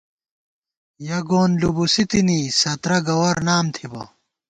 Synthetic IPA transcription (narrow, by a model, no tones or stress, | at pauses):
jɐɡoːnlubusit̪inisɐt̪ɾɐɡɐwɐɾnaːmt̪ʰibɐ̰